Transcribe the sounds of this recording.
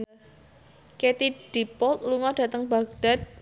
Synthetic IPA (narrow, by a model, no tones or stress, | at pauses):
ket̪id̥ipɔlt̪luŋɔɖ̥a̤t̪əŋbaɡ̚d̥at̪̚